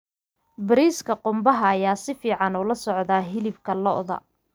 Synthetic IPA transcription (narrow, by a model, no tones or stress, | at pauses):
bɪɾiːskʰɐqʊmbɐɦɐːjaːsɪfiːʕɑnuːlɐsɔʕðaːɦɪlɪbkʰɐlɔ̰ʔðɐ̰